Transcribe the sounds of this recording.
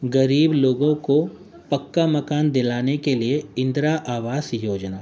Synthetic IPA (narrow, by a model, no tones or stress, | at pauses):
ɡɐɾiːbloːɡõko | pɐkːamɐkaːnd̪ɪlaːnekelieɪ̃nd̪ɾaʔaːʋaːsjoːd͡ʒnaː